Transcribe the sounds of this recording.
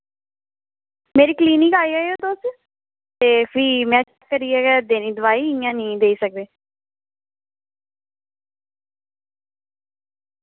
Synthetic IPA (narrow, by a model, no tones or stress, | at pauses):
meːɾiːkliːnĩŋkaːiːaːioːt̪oːs | t̪eːpʰiːmɛ̃ːt͡ʃːkːəɾiːɛːɡɛːd̪eːniːd̪ʊʋaːiːɪ̃jãːnĩːd̪eːiːsək̚d̪eː